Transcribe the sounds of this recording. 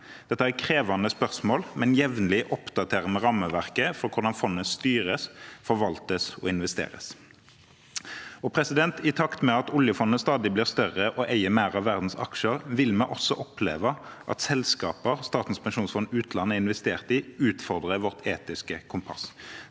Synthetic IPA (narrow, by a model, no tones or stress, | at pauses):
d̪̥ɛt̪ːəækʰʁeːʋɑnəspœʁsmoːlmɛnjɛʋnəlɪʔɔpd̪ɑt̪ʰeːʁəmɛʁɑmːəʋæʁkəfɔʁkʰʊʁd̪ɑnfɔnːəst̪yːʁəsfɔʁʋɑlt̪əsɔ̰ɪnʋɛst̪ḛːɾə̰s | ɔpʰɾɛsɪd̪ɛnt̪ʰɪt̪ʰɑkt̪mɛɑt̪ʊljəfɔnːəst̪ɑːd̪ɪbliːʁst̪œʁəʔɔʔæɪəmæɪʁɑʋːæʁd̪n̩sɑ̰kʃəʁʋɪlmɛʔɔsːɔʔɔplḛːʋəʔɑ̰t̪sɛlskɑːpəʁst̪ɑːt̪n̩spɛnʃuːnsfɔnʉːt̪lɑnːəɪnʋɛst̪eːʁt̪ɪʉːt̪fɔʁd̪ʁəʋɔʁt̪ʰeːt̪ɪskəkʰʊmpʰɑ̰s